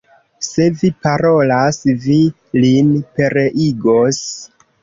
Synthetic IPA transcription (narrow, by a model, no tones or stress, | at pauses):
se̞vipaɾo̞lasvi | linpe̞ɾeʔiɡos